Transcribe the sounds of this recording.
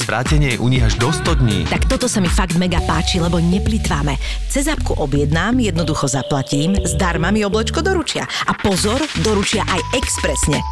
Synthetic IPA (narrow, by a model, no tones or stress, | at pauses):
zʋɾaːcɛɲɪɛjɛʔuɲiɣaʒd̪ɔst̪ɔd̪ɲḭːt̪akt̪ɔt̪ɔsamifaɡd̪mɛɡapaːt͡ʃilɛbɔɲɛplit̪ʋaːmɛt͡sɛzap̚kuʔɔbjɛd̪naːmjɛd̪nɔd̪uxɔzaplaciːmzd̪aɾmamiɔblɛt͡ʃkɔd̪ɔɾut͡ʃɪa̰ʔapɔzɔɾd̪ɔɾut͡ʃɪaʔajɛkspɾɛsɲɛ